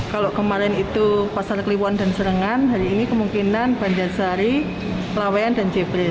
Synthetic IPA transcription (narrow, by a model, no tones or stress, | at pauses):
kaloʔkəmaɾɛnit̪upasarkəliwanda̤nsəɾəŋanɦaɾiːnikəmuŋkinanb̥aɲd͡ʒarsaɾi | lawaandand͡ʒebɾɛ